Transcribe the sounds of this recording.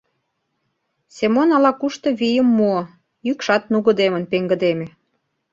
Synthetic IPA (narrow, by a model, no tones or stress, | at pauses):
semonɑlɑkuʃt̪ɤ̆βijəmːuo | jykʃɑt̪̚nuɣə̆d̪emənpeŋɡə̆d̪eme